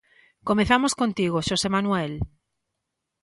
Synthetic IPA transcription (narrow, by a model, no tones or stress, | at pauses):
komeθamoskont̪iɣ̞oʃosemanwel